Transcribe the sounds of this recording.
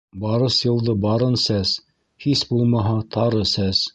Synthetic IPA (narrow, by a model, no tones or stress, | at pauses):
bɑɾɤsjɤ̆lˠd̪ɤbɑɾɤnsæs | hisbulˠmɑɦɑt̪ʰɑɾɤsæs